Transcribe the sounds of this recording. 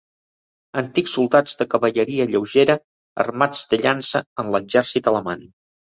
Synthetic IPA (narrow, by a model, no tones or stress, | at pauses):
ənt̪iksulˠd̪ad͡zðəkəβəʎəɾiəʎəwʒeɾə | ə̰rmad͡zd̪əʎansəənləɡʒɛɾsit̪ələman